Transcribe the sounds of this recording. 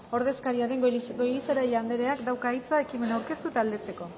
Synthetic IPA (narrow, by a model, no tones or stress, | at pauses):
o̞ɾðe̞skaɾiaðe̞ŋɡo̞jliseɾaʎand̪eɾe̞akd̪awkait͡sae̞kime̞nawɾke̞st̪ut̪aːld̪est͡s̪e̞ko̞